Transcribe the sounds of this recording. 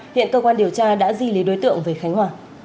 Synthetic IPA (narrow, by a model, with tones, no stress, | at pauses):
hḭ˧˨ənkəː˧kwaː˧nɗi˨˩əwt͡ɕaː˧ɗa̰ː˧˥zi˧˩li˨˦ɗo˨˦jt̪ɨ̰˧˨əŋvəː˨˦jxa˨˦jŋ̟hwaː˨˩